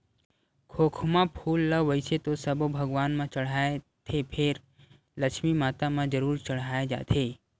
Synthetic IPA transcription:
kʰoːkʰmãpʰuːlːəʋəɪset̪osəbobʱəɡʋaːnmãt͡ʃəɽ̤aːe | t̪ʰepʰeɾ | ləkʃmimaːt̪amãd͡ʒəɾuːɾt͡ʃəɽ̤aːed͡ʒa̰ːt̪ʰeː

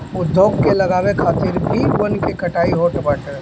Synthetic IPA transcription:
ʊd̪ʱːoːɡkelɐɡaːwekʰaːt̪iɾbʱiwənkekɐʈaːiɦoʈbaːʈəɾ

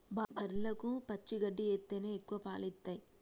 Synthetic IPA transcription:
babʱɐɾlɐkupɐt͡ʃːiɡɐɖːieːt̪ːeːneːekːuʋɐpaːlit̪ːɐj

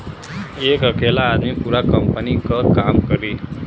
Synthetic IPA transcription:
ekəkʰelaːd̪mipuɾakəmpənikəkamkəɾiː

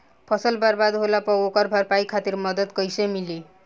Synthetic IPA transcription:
pʰʌsʌlbaɾbad̪ɦolapɔokaɾbʱaɾpajkʰat̪iɾmʌd̪ʌd̪kʌjsemili

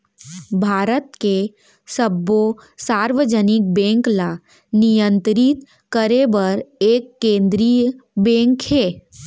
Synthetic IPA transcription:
bʱaːɾət̪ke | səbːosaːɾʋəd͡ʒənɪk̚bɛ̃ːŋkla | nijə̃nt̪ɾit̪ | kəɾebəɾeːkːẽːnd̪ɾijbɛ̃ːŋkɦɛː

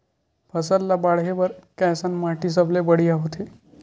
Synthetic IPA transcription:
pʰəsəllabaɽɦebəɾkɛ̃sənmaʈis̬əblebəɽijaɦot̪ʰe

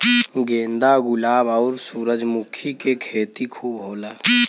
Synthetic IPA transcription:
ɡẽːnd̪aɡʊlaːbəːɾsuːɾəd͡ʒmʊkʰikekʰeːt̪ikʰuːbɦoːlaː

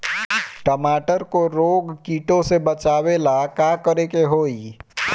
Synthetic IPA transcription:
ʈəmaːʈəɾkoɾoːɡkiːʈõsebɐt͡ʃaːʋelakaːkəɾekeɦoːi

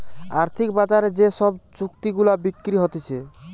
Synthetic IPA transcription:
aɾt̪ʰik̚bad͡ʑaɾed͡ʑeʃɔbt͡ɕukt̪iɡulabikːɾiɦɔt̪et͡ɕʰe

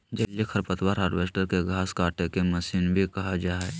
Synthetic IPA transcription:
d͡ʒəljekʰəɾpət̪waːɾɦaːɖʋeːsʈəɾkeɡʱaːskaːʈekeməsiːnbʱikɐɦad͡ʒaːɛ

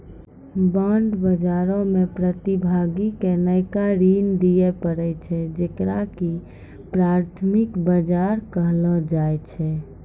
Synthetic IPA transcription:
bəɳɖbəd͡ʒaɾõmepɾət̪ibʱaɡikenəjkaɾind̪ijepəɾɛt͡ʃʰɛd͡ʒekɾaki | pɾaɾt̪ʰmikbəd͡ʒaɾkəɦlɔd͡ʒajt͡ʃʰɛ

